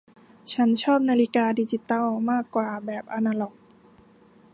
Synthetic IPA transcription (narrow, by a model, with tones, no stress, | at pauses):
t͡ɕʰa˦˥nt͡ɕʰɔː˥˩p̚naː˧li˦kaː˧diː˧t͡ɕi˧t̪ɔ˥˩wmaː˥˩kːwaː˨˩bɛː˨˩p̚ʔa˧naː˧lɔ˨˩k̚